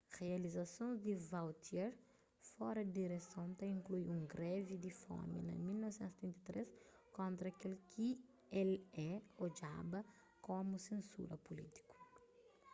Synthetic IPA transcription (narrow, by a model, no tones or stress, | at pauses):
ʁealizasõzd̪ivawt̪jɛɾ | fɔɾɐd̪iɾesõnt̪ɐĩŋklujũŋɡɾɛvid̪ifɔ̰mɐ̰nɐ̰milnɔvesẽst̪ɾĩnt̪ɐt̪ɾes | kõnt̪ɾɐakelkʰi | ɛlɛod͡ʒa̰bɐ | kõmusẽnsṵɾɐpulit̪i̥ku̥